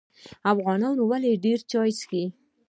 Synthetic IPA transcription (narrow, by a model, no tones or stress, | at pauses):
afɣɑnɑnowaleɖeɾt͡ʃɑjski